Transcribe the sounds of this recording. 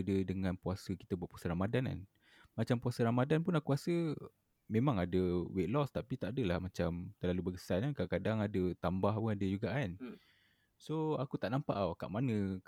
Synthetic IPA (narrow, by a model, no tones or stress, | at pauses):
dədəŋãnpuasəki̥t̪əbuaʔ̪puasəɾamadana̰n | mat͡ʃampuasəɾamadanp̬unakuasə | mẽmãŋadəweʔlɔst̪apit̪aʔadəlahmat͡ʃamt̪ərlalubəkə̥sanankaakadaŋadət̪ambahpunadəd͡ʒuɡaʔan | soakut̪aʔnampa̰ʔaka̰ʔmanə̃